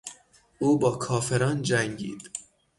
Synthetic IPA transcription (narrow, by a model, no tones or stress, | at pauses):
ʔuːbɒːkʰɒːfe̞ɾɒːnd͡ʒæŋɟḭːd̪̥